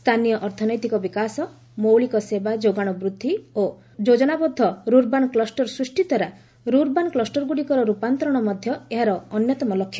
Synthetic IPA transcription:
st̪ʰanijɔʔɔɾt̪ʰɔnɔjt̪ikɔbikasɔ | mowɭikɔsebad͡ʒoɡaɽ̃ɔbɾud̪ʱːio | d͡ʒod͡ʒɔnabɔd̪ʱːɔɾuɾbanklɔsʈɔɾsɾusʈit̪ɔɾa | ɾuɾbanklɔsʈɔɾɡuɽikɔɾɔɾupant̪ɾɔɽ̃ɔmɔd̪ʱjɔeɦaɾɔːnjɔt̪ɔmɔlɔkʰːjɔ

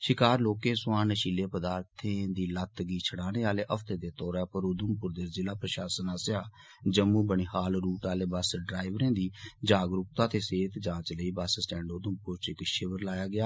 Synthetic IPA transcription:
ʃɪkaːɾloːkẽːsʊãːnəʃiːleːpəd̪aːɾt̪ʰẽːd̪iːlət̪ɡiːt͡ʃʰəɽaːneːaːleːʔəfʰt̪eːd̪eːt̪ɔːɾaːpəɾod̪əmpʊɾd̪eːɾzɪlaːpɾəʃaːsənaːsɪjaː | d͡ʒəmːuːbəɳiːhaːlɾuːʈaːleːbəsɖɾaːɪʋɾẽːd̪iːd͡ʒaːɡɾʊk̚t̪ãːt̪eːseːt̪d͡ʒãːt͡ʃləiːbassʈɛ̃ːɳɖoːd̪əmpʊɾt͡ʃɪkʃɪʋəɾlaːjaːɡɪjaː

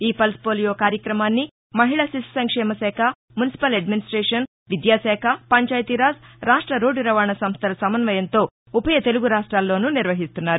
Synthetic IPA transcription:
iːpɐlspoːlijoːkaːɾjɐkɾɐmaːnːi | mɐɦiɭɐsisi̥sɐŋkʂɛːmɐsɛːkʰɐ | munisi̥pɐlɐɖminisʈɾɛːʂɐn | ʋid̪jaːsɛːkʰɐpɐɲt͡ʃaːjt̪iɾaːsɾaːʂʈɾɐɾoːɖuɾɐʋaːɳɐsɐmst̪ʰɐlɐsɐmɐnʋɐjɐnt̪o̞ː | upɐjɐt̪e̞luɡuɾaːʂʈɾaːlːo̞ːnuniɾʋɐɦist̪unːaːɾu

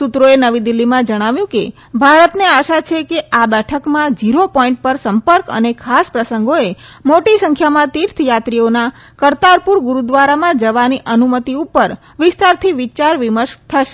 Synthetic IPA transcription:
sut̪ɾoenəʋid̪ilːimãd͡ʒəɽ̃aʋjũkḛ | bʱaɾət̪neaʃat͡ʃʰekeabɛʈʰəkmãd͡ʒiɾopɔ̃ĩɳʈ̚pəɾsəmpəɾkə̰nekʰaspɾəsəŋɡoemoʈisəŋkʰjamãt̪iɾt̪ʰjat̪ɾiona | kəɾt̪aɾpuɾɡuɾud̪ʋaɾamãd͡ʒəʋaniʔənumət̪iupəɾ | ʋɪst̪aɾt̪ʰiʋɪt͡ʃaɾʋiməɾʃt̪ʰəʃe̥

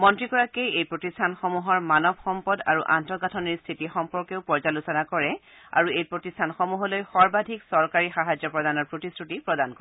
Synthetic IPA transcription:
mɔntɹikɔɹakejejpɹotistʰanxɔmuɦɔɹmanɔbxɔmpɔda̰ɹuʔa̰ntɔɡatʰɔniɹstʰitixɔmpɔɹkeʊpɔɹzalusɔnakɔɹɛ | a̰ɹuejpɹotistʰanxɔmuɦɔlojxɔɹbadʱiksɔɹkaɹixaɦad͡ʒjɔpɹɔdanɔɹpɹotistʰutipɹɔdankɔɹɛ

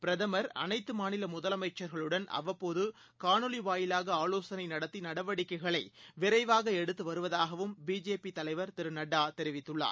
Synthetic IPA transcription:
pɪɾɐðɐmɐɾɐ̰nɐɪt̪ːɯmaːnɪlɐmʊðɐlɐmɐɪt͡ʃːɐɾɣɐɭɯɽɐnɐ̰ʋɐpːoːðɯ | kaːɳɯliʋaːjɪlaːɣɐaːloːsɐnɐɪnɐɽɐt̪ːinɐɽɐʋɐɽɪkːɐɪɣɐɭɐɪʋɪɾɐɪʋaːɣɐɛɽɯt̪ːɯʋɐɾɯʋɐðaːɣɐʋɯmbiːd͡ʒeːpit̪ɐlɐɪʋɐɾt̪ɪɾɯnɐɽːaːt̪ɛɾɪʋɪt̪ːɯɭːa̰ː

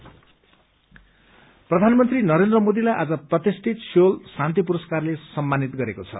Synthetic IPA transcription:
prʌd̪ʱanmʌnt̪rinʌɾend̪rʌmod̪ilajʔad͡zʌprʌt̪isʈʰit̪solsãnt̪ipuɾʌskarlesʌmːanit̪ɡʌɾekot͡sʰʌ̰

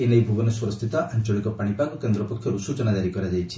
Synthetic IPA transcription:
enejbʱuɡɔnɔswɔɾɔst̪ʰit̪ɔʔant͡ʃɔɽ̃ikɔpaɽ̃ipakɔkend̪ɾɔpɔkʰjɔɾusut͡ʃɔnad͡ʒaɾikɔɾad͡ʒajt͡ʃʰi̥

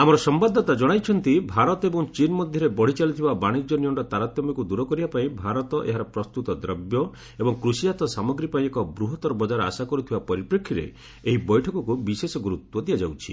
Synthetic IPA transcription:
amɔɾɔsɔmbad̪ʱːɔt̪ad͡ʒɔɽ̃ajt͡ʃʰɔnt̪ibʱaɾɔt̪ɔebɔŋt͡ʃinmɔd̪ʱjɔɾebɔɽ̤it͡ʃalit̪ʰibabaɽ̃id͡ʒjɔniɔɳɾɔt̪aɾat̪jɔmɔkud̪uɾɔkɔɾibapaĩbʱaɾɔt̪ɔʔḛɦaɾɔpɾɔst̪ut̪ɔd̪ɾɔbjɔ | ebɔŋkɾusijat̪ɔsamɔɡɾipaĩekɔbɾuɦɔt̪ɔɾɔbɔd͡ʒaɾɔa̰sakɔɾut̪ʰibapɔɾipɾekʰːiɾḛ | eɦibɔjʈʰɔkɔkubisesɔɡuɾut̪wɔd̪ijad͡ʒawt͡ʃʰi̥̰

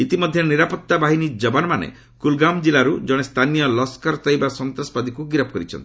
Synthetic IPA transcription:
it̪imɔd̪ʱjɔniɾapɔt̪ːabaɦinid͡ʒɔbanmanḛ | kulɡamd͡ʒilaɾud͡ʒɔɽ̃est̪ʰanijɔlɔskaɾt̪ɔjbasɔnt̪ɾɔspad̪ikuɡiɾɔp̚ʰɔkɔɾit͡ʃʰɔ̰nt̪i̥

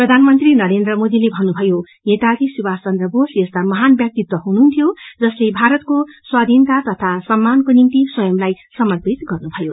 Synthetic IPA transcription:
prʌd̪ʱanmʌnt̪rinʌɾend̪rʌmod̪ilebʱʌnːubʱʌjo | net̪adisubast͡sʌnd̪rʌbosjʌst̪amʌɦanbjʌk̚t̪it̪ːʌɦununt̪ʰjod͡zʌslebʱaɾʌt̪koswad̪ʱint̪at̪ʌt̪ʰasʌmːankonimt̪iswʌjʌmlajsʌmʌrpit̪ɡʌrnubʱʌjo

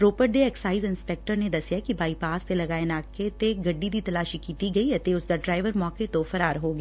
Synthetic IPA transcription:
ɾoːpəɾ̚ɖeɛːksaːɪzɪ̃nspɛːk̚ʈəɾned̪ɐsjakibaːipaːst̪elɐɡaːenaːket̪eɡɐɖːid̪it̪ɐlaːʃikiːt̪iɡɐiɦɛt̪eʊsd̪aɖɾaːɪʋəɾmɔːket̪ofɐɾaːɾɦoːɡː

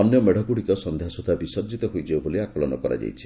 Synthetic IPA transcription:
ɔnjɔmeɽ̤ʱɔkuɽikɔsɔnd̪ʱjasud̪ʱabisɔd͡ʒit̪ɔɦojd͡ʒauboliakɔlɔnɔ̰kɔɾa̰d͡ʒa̰jt͡ʃʰi̥

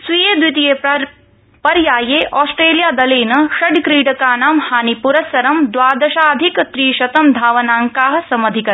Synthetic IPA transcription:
sʋijeːd̪ʋit̪ijeː | pɐɾjaːjeːʔɔːsʈɾeːlijaːd̪ɐleːnɐʃɐɖkɾiːɖɐkaːnaːmhaːnipuɾɐsɐɾɐmd̪ʋaːd̪ɐʃaːɐd̪ʱikt̪ɾiːʃɐt̪ɐmd̪ʱaːʋɐnaːŋkaːɦɐ̆sɐmɐd̪ʱikɐ

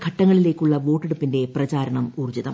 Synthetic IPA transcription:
kʰɐʈːɐŋːɐɭile̞ːkːuɭːɐʋo̞ːʈːeɽupːinde̞prɐt͡ɕaːɾɐɳɐmuːrd͡ʑiðɐ̰m

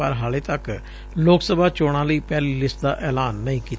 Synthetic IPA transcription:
a̰ːɾɦaːleːt̪ək | loːksəbaːt͡ʃoːɽ̃ãːləiːpɛːliːlɪsʈd̪a̰ːʔɛːlaːnːəĩːkiː

